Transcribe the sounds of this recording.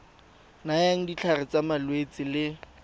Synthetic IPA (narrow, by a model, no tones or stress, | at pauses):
najaŋ̩dit͡ɬʰarɪt͡samalwet͡sʼɪlɪ